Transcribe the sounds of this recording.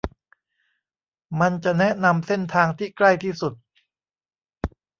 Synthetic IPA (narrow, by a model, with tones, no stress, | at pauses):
ma˧nt͡ɕa˨˩nɛ˦˥na˧mse˥˩nt̪ʰaː˧ŋt̪ʰiː˥˩kla˥˩jt̪ʰiː˥˩su˨˩t̪̚